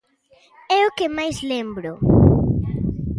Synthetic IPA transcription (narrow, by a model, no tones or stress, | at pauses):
ɛokemajslembɾʊ